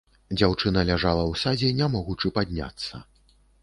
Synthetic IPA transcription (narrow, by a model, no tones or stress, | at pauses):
d͡zʲawt͡ʂɨnɐlʲaʐalˠɐwsad͡zʲɛnʲamɔɣut͡ʂɨpad̪ʲnʲa̰t̪sːɐ̰